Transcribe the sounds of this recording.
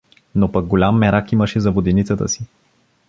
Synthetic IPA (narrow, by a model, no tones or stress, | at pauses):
nopɐk̚ɡolʲamːɛɾakiməʃɛzɐvod̪ɛnit̪sət̪ə̰si̥